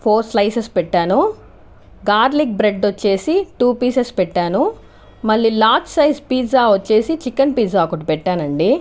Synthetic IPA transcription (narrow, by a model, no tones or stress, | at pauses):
pʰoːɾslɐjsespɛʈːaːnu | ɡaːɾlik̚bɾeɖot͡ʃːe̞ːsiʈuːpiːsespɛʈːaːnu | mɐɭːilaːt͡ʃsɐjspiːzaːot͡ʃːe̞ːsit͡ʃikːɐnpiːzaːkuʈupɛʈːaːnɐɳɖi